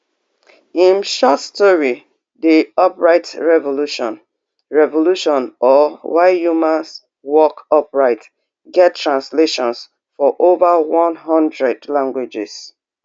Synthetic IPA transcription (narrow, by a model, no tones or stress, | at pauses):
ĩnʃɔtstɔɹi | diɔpɹaɪtɹɛvoluʃɔ̰̃n | ɹɛvoluʃɔ̃nɔwaɪjumãns | wɔkɔpɹaɪt | ɡɛttːɹãnsleʃɔ̃ns | fɔʔovawɔ̃nɦʌ̃ndɹɛdlãŋɡwed͡ʒɪ̰s